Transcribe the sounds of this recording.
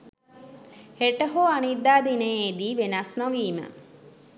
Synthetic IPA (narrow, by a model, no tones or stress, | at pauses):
heʈəɦoanid̪ːaːd̪inəed̪iːʋenasnoʋiːmə̰